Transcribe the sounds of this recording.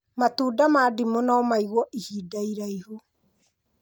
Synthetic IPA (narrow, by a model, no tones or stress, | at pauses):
matuːdamaːdimonaːmaiɣwɔʔihiːdaiɾaiho